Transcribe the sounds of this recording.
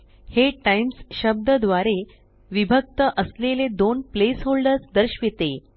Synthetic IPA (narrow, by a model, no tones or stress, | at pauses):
heʈajmsɕəb̚d̪əd̪ʋaɾe | ʋibʱək̚t̪əʔəsleled̪onplesɦolɖəɾsd̪əɾɕʋet̪e